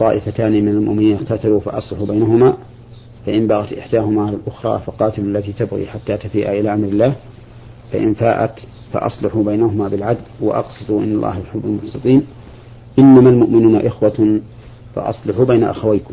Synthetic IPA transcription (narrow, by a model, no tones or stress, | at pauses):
t̪ˤːɑːʔɪfat̪aːnimɪnalmʊ̰ʔmɪniːnɪqt̪at̪alufa̰ʔɑsˤlɪħubajnaɦʊmaː | faʔɪmbaɣat̪ʔɪ̰ħd̪aːɦʊmaːʕalalʔʊxɾˤɑ̰ːfɑqɑːt̪ɪlalːat̪it̪abɣḭːħat̪ːaːt̪afiːʔa̰ʔɪlaːʔamɾɪlːaːh | fa̰ʔɪ̰nfaːʔa̰t̪ | fa̰ʔɑ̰sˤlɪħubajnahʊmaːbɪlʕad̪lwa̰ʔɑ̰qsˤɨd̪uʔɪ̰nːɑlˤːɑ̰ːhjħʊbːalmʊħsɨt̪ˤiːn | ʔɪnːamalmʊʔmɪnuːnaʔɪxwa | fɑ̰ʔɑ̰sˤlɪħubajna̰ʔa̰xawajkʊ̥m